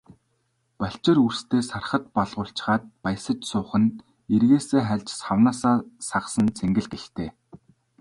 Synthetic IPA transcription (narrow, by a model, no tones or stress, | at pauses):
paɬʲt͡ɕɪ̆rurst̪ʰeːsarχə̆t̪̚pɔɮʁʊːɬt͡ɕ̆χaːt̪̚paj̆sə̆t͡ɕsʊːχə̆n | erɣeːseːχæɮʲt͡ɕsχawnaːsaːsaʁsə̆nt͡sʰeŋɡɘ̆ɮɡext̪eː